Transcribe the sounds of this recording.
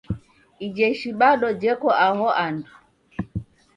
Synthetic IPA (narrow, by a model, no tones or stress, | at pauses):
id͡ʒɛʃiɓaɗɔd͡ʒɛkɔʔaɦɔʔandu